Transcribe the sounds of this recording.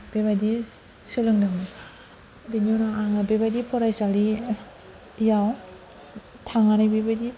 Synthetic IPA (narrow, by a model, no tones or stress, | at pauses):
b̥eβadi | sɯlɯŋdaŋa | benonaaŋabebajdipʰɔɾajsali | jaw | tʰaŋanajbebadi